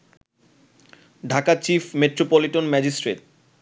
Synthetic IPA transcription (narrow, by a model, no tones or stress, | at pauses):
ɖʱakat͡ɕifmeʈɾopoliʈonmɛd͡ʑisʈɾeʈ̚